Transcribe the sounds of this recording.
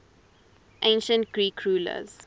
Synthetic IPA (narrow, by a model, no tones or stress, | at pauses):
ʔẽnʃə̃nt̚ɡɹiːkʰːɹuːlə̰z̥